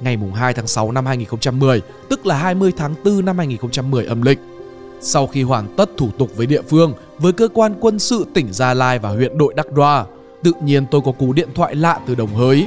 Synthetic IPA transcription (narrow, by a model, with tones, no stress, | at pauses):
ŋa˨˩jmʊ˨˩ŋ͡mɦaː˧jt̪ʰaː˨˦ŋsa˨˦wna˧mhaː˧jŋi˨˩nxə˧ŋ͡mt͡ɕa˧mːɨ˨˩əj | t̪ɨ˦˥k̚laː˨˩ɦaː˧jmɨ˧əjt̪ʰaː˨˦ŋt̪ɨ˧na˧mhaː˧jŋi˨˩xə˧wŋ͡mt͡ɕa˧mːɨ˨˩əjʔə˧mlï˨˩k̟̚ | sa˧wxi˧ɦwaː˧˩ŋt̪ə˦˥t̚t̪ʰu˧˩t̪ʊ˨˩k͡p̚vəː˨˦jɗḭ˧˨əfɨ˧əŋ | vəː˨˦jkəː˧kwaː˧nkwə˧nsɨ̰˧˨t̪ï˧˩ŋ̟zaː˧laː˧jvaː˨˩hwḭ˧˨ənɗo̰˧˨jɗa˦˥k̚ɗwaː˧ | t̪ɨ̰˧˨ɲi˧ənt̪o˧jkɔ˨˦ku˨˦ɗḭ˧˨ənt̪ʰwa̰ː˧˨jla̰ː˧˨t̪ɨ˨˩ɗə˨˩wŋ͡mɦəː˨˦j